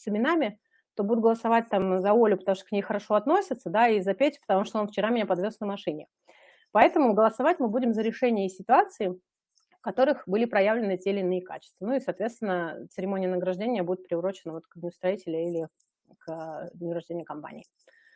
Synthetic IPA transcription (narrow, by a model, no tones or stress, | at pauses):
sɨmʲɪnamʲɪ | t̪o̞bud̪ʲʊt̪ɡəlˠəsɐvat̚ʲt̪amzɐolʲʊpət̪ɐmuʂt̪o̥knʲejxəɾɐʂo̞ɐt̪no̞sʲɪt̪səd̪aizɐpʲetʲpət̪ɐmuʂt̪oo̞nft͡ɕɪɾamʲɪnʲapɐd̪vʲo̞snəmɐʂɨnʲɪ | pɐɛt̪əmʊɡəlˠəsɐvatʲmɨbudʲɪmzəɾʲɪʂɛnʲɪjəsʲɪt̪ʊat̪sɨɪ | kɐt̪o̞ɾɨxbɨlʲɪpɾɐjavlʲɪnɨtʲelʲɪnːɨɪka̰t͡ɕɪ̥st̪vənuisɐaːt̪vʲet̪t̪vɪnːət̪sɨɾʲɪmo̞nʲɪjənəɡɾɐʐdʲenʲɪjəbudʲɪt̪̚pɾʲɪʊɾo̞t͡ɕɪnəvo̞t̪kəɡ̪ʲnʲɪʊst̪ɾɐitʲɪlʲɪilʲɪ | kənəɡɾɐʐd̪ʲenʲɪjəkɐmpa̰nʲɪ̰ː